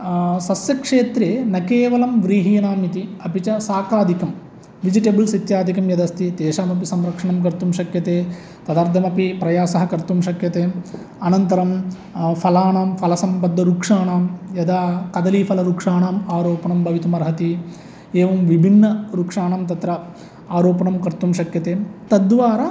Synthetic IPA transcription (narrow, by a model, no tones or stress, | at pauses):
sɐsjɐkʂeːt̪ɾeːnɐkeːʋɐlɐmʋɾiːɦijɐnaːmit̪iɐpit͡ʃɐsaːkaːd̪ʱikɐm | ʋid͡ʒiʈeːbɐlsit̪jaːd̪ʱikɐmjɐd̪ɐst̪ʰid̪eːʂaːmɐpisɐmɾɐkʂɐɳɐmkɐɾt̪umʂɐkjɐt̪eː | t̪ɐd̪ɐːɾt̪ʰːɐmɐpipɾɐjaːsɐɦɐkɐɾt̪umʃɐkjɐt̪eːm | ɐnɐnt̪ɐɾɐm | pʰɐlaːɳaːmpʰɐlɐsɐmpɐd̪ːɐɾuːkʂaːɳaːmjɐd̪aːkɐd̪ɐliːpʰɐlɐɾuːkʂaːɳaːmaːɾoːpɐɳɐmbʱɐʋit̪umɐɾɦɐt̪i | eːʋɐmʋibʱinːɐɾukʂaːɳamt̪ɐt̪ɾɐ | aːɾoːpɐɳɐmkɐɾt̪umʃɐkjɐt̪eːt̪ɐd̪ʋaːɾɐ